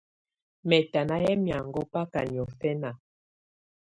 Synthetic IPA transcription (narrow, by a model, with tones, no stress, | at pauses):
mɛ˨ta˨na˦jɛ˦mja˨ŋɡɔ˦pa˦ka˨ni˨ɔ˨fɛ˦na˨